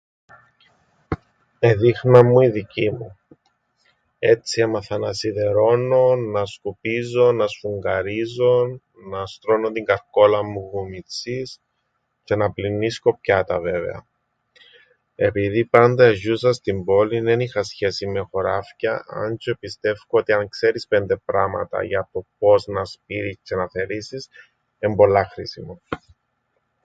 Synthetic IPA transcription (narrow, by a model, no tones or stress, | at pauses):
eðixnɐmːuiðicimu | e̞t̪t͡sːie̞mɐθɐnɐsiðe̞ɾo̞nːoːɐskupizo̞nɐsfuŋɡɐɾizo̞n | nɐst̪ɾo̞not̪iŋɡɐɾko̞lɐmːuɣumit͡sis | ce̞nɐplinːisko̞pçɐt̪ɐve̞ve̞̰ɐ̰ | e̞piðipɐnd̪ɐeʒusɐst̪imbo̞linenixɐsçe̞sime̞xo̞ɾɐfcɐʔɐ̰nt͡ʃopist̪e̞fkoot̪iɐŋkse̞ɾispend̪e̞pɾɐmɐ̰t̪ɐ̰ʝɐt̪o̞p̚o̞znɐspiɾiscenɐθe̞ɾisis | embo̞lːɐxɾisimo